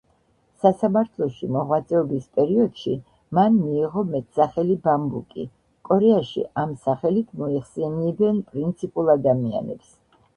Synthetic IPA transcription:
sasamaɾt̪ʰlˠɔʃimɔʁwat̪sʼɛɔbispʼɛɾiɔd̪̥ʃi | manmiːʁɔmɛt̪ʰsaχɛlibambukʼḭ | kʼɔɾɛaʃḭʔamsaχɛlit̪ʰmɔiχsɛniɛbɛnpʼɾint̪sʰipʼulˠad̪amia̰nɛ̰ps

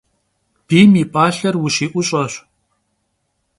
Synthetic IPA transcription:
b̥iːmiːpʼaːɬɐrwʊɕiːʔʷʊɕʼɐɕʷ

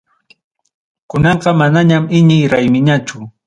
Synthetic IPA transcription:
kʊnɑɴqɑmanaɲamɪɲɪjɾajmɪɲat͡ʃʊ

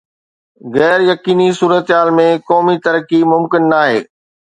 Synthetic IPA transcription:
ɣɛːɾjɐkiːnisuːɾət̪ɦaːlmẽkɔːmit̪ɐɾkimʊmkɪnːaːɦeː

